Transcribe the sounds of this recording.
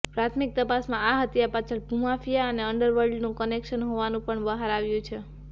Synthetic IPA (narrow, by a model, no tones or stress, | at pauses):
pɾat̪ʰmik̚t̪əpasmãaɦət̪japat͡ʃʰəɭbʱũmafijaəneəɳɖəɾʋəɾɖnũkənekʃənɦoʋanũpəɳbəɦaɾaʋjũt͡ʃʰe